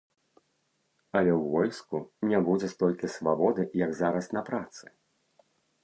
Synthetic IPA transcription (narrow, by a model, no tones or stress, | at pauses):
ɐlʲɛwvɔlʲskunʲɛbud͡zʲɛst̪ɔlʲkʲisvabɔd̪ɨjɐɡzaɾɐsnɐpɾat̪sɨ̥